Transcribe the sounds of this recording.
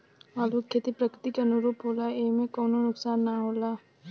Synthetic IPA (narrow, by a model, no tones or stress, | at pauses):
aːluːkʰːeːt̪ipɾəkɾɪt̪ikeɐnʊɾuːpɦoːlaeːmẽkɔːnonʊksaːnːaɦoːlaː